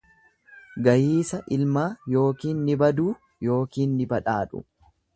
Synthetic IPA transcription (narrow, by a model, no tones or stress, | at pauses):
ɡɐjiːsɐʔɪlmaːjo̞ːkiːnːɪbɐd̪uː | jo̞ːkiːnːɪbɐᶑaːᶑʊ̰